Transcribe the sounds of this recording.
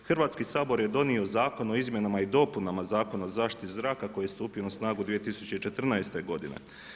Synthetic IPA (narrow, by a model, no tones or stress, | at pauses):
xrʋaːt̪skisaːbo̞ɾje̞d̪o̞nio̞zaːko̞no̞izmje̞namaid̪o̞punamazaːko̞nozaːʃt̪izɾaːkako̞jijest̪uːpijonasnaːɡud̪ʋije̞t̪isut͡ɕe̞it͡ʃe̞t̪r̩naest̪e̞ɡo̞d̪inḛ